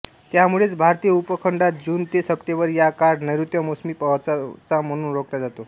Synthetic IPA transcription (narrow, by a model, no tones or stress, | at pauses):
t̪jamuɭet͡sbʱaɾt̪iːjəupəkʰəɳɖat̪̚d͡ʑuːnt̪esəp̚ʈ̪ebəɾjakaɾɖnəjɾut̪jəmosmiːpəʋt͡sat͡sam̤əɽ̃uːnɾokljad͡zat̪o